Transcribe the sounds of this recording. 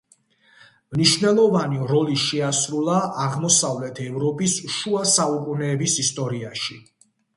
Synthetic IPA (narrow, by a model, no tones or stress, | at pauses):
mniʃnɛlˠɔvaniɾɔliʃɛasɾulˠaʔaʁmɔsavlɛt̪ʰɛvɾɔpʼisʃuasaukʼunɛːbisist̪ʼɔɾiaʃi